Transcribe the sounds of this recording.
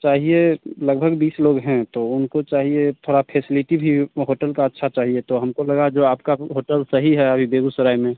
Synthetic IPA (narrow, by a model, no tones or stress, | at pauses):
t͡ʃaːɦieləɡbʱəɡbiːsloːɡɦɛ̃t̪oʊnkot͡ʃaːɦiet̪ʰoːɽapʰɛːsɪlɪʈibʱiɦoːʈəlkaətːʃʰat͡ʃaːɦiet̪oɦəmkoləɡad͡ʒoːaːpkaɦoːʈəlsəɦiɦɛəbʱibeːɡusəɾaːjmẽ